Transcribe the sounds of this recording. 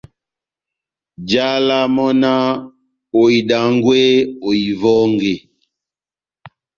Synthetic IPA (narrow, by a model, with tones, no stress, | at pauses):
d͡ʒa˦la˦mɔ˦na˦ | o˨i˨da˨ŋ˦ɡwe˦o˨i˨vɔ˦ŋɡe˨